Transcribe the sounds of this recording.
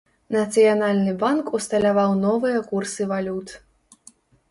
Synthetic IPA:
nɐt̪sɨjanalʲnɨbankust̪ɐlʲavawnɔvɨjɐkursɨvalʲut̪

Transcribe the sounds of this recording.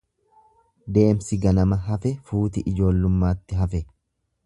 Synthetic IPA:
d̪e̞ːmsɪɡɐnɐmɐɦɐfɛfuːt̪ɪʔɪd͡ʒo̞ːlːʊmːaːt̪ːɪɦɐfɛ

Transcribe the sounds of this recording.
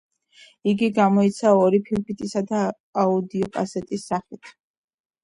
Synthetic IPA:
iɡiɡamɔit̪sʰaɔɾipʰilpʰit̪ʼisad̪a | aud̪iɔpʼasɛt̪ʼisːaχit̪ʰ

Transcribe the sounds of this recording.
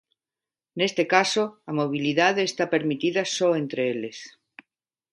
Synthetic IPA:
ne̞st̪e̞kasoamoβ̞iliðaðeːst̪ape̞ɾmit̪iðasoent̪ɾeele̞s

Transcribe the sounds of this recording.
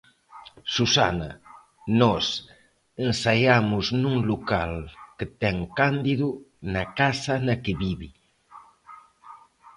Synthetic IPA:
susa̰na̰ | nɔs | ensajamʊznuŋlukalkət̪ɛŋkand̪iðunakasanakeβiβi

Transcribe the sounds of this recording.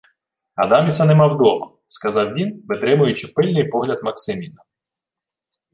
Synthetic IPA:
ɐ̰d̪ɑmʲisɛnɛmɑwd̪ɔmɐ̰ | skɐzɑwʋʲinʋɪt̪ɾɪmʊjʊt͡ʃɪpɪlʲnɪjpɔɦlʲɐd̪mɐksɪmʲinɐ

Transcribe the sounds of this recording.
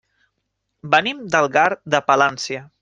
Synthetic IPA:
bənimd̪əlˠɣaɾd̪əpəlansiə

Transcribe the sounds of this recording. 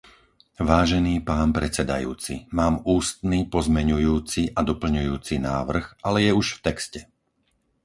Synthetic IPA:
ʋaːʒɛniːpaːnpɾɛt͡sɛd̪a̰jṵːt͡sḭmaːmuːst̪niːpɔzmɛɲujuːt͡siʔad̪ɔpl̩ɲujuːt͡sinaːʋr̩ɣʔalɛjɛuʃft̪ɛkscɛ

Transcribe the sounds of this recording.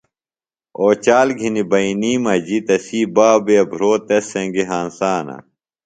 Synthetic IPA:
oːt͡ɕaːlɡʱinibɐiniːmɐd͡ʑit̪ɐsiːbaːbeɐbʱɾoːt̪ɐsːẽŋɡeɦaːnsaːnɐ̰

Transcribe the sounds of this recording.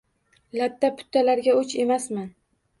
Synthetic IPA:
lat̪ʰːapʰʊ̥t̪ʰːalaɾɡʲaot͡ʃʰe̞masman

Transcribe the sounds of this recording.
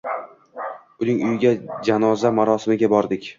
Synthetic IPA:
ʊnɪŋʊjɪɡʲad͡ʒanɒzamaɾɒsɪmɪɡʲabɒɾd̪ɪkʲ

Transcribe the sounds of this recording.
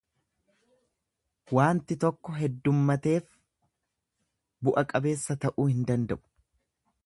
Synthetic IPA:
waːnt̪ɪt̪ɔkːɔɦɛd̪ːʊmːɐt̪e̞ːf | bʊʔɐkʼɐbe̞ːsːɐt̪ɐʔuːhɪnd̪ɐnd̪ɐʔʊ̥

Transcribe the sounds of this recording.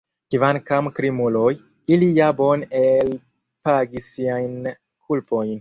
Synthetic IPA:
kivankamkɾimuloj | ilijabo̞nel | paɡisiajn | kʰulpo̞jn

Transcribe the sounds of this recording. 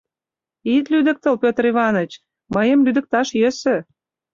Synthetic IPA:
it̪lyd̪ə̆k̚t̪əlpʲøt̪əriβɑnət͡ɕ | məjəmlyd̪ə̆k̚t̪ɑʃjøsø̆

